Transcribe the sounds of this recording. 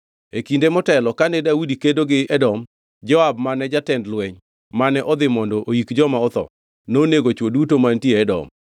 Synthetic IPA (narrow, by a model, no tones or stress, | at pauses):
ekindemɔtɛlɔkanɛdaudikedoɡɪʔɛdɔm | d͡ʒɔabmanɛd͡ʒatɛndlwɛɲ | manɛʔɔd̪ɪmɔndɔʔoikd͡ʒɔmaɔt̪ɔ̰ | noːneɡot͡ʃwodutomantjeɛdɔ̰m